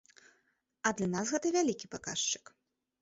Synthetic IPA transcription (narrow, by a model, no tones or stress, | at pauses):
ɐd̪lʲɐnasɣɛt̪ɐvʲalʲikʲipaka̰ʂt͡ʂɨ̥k